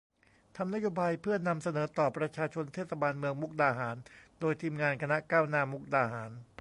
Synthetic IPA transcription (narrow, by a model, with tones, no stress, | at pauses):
t̪ʰa˧mna˦˥joː˧baː˧jpʰɯ˥˩ɐna˧msa˧nɤː˩˦t̪ɔː˨˩pɾa˧t͡ɕʰaː˧t͡ɕʰo˧nt̪ʰeː˥˩t̪̚sa˧baː˧nmɯ˧əŋmu˦˥k̚daː˧ɦaː˩˦ndoː˧jt̪ʰiː˧mŋaː˧nkʰa˧na˦˥kaː˥˩wnaː˥˩mu˦˥k̚daː˧ɦaː˩˦n